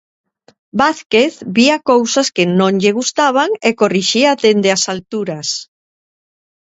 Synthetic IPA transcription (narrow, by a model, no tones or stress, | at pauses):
baθkeθbiakowsaskenõŋʎɪɣust̪aβ̞aŋekoriʃiaðend̪easalt̪uɾas